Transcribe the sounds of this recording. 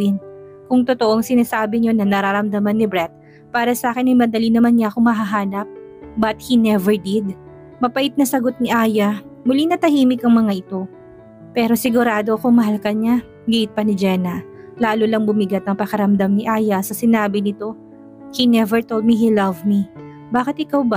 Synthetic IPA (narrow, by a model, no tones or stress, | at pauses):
ɪnkʊŋt̪ot̪oʔoŋsɪnaːsaːbɪɲo̞nɐnɐɾaɾɐmd̪ɐmanːɪbɾɛt̪̚ | paːɾɐsɐʔaːkɛnɐjmɐd̪ɐlinɐmanɲaʔɐkoŋmɐɦaɦaːnɐp̚bɐt̪̚hinɛvɛɹd̪ɪd̪̚ | mɐpɐʔɪt̪̚nɐsɐɡot̪̚nɪʔaːjɐmʊlinɐt̪ɐhiːmɪkɐŋmɐŋaʔɪt̪o̞ | pɛːɾo̞sɪɡʊɾaːd̪oɐkomɐɦalkɐɲa | ɡiɪt̪̚pɐnɪd͡ʒɛnɐ | laːlʊlɐŋbʊmɪɡat̪̚ɐŋpɐkɐɾɐmd̪amnɪʔaːjɐsɐsɪnaːbɪnɪt̪o̞ | hinɛvɛɹt̪olˠd̪̚miɦilɐvmi | baːkɪt̪̚ɪkawba